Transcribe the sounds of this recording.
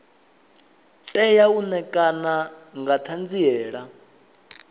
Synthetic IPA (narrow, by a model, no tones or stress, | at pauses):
tʼɛjaunɛkʼanaŋɡatʰand͡ziɛːɺa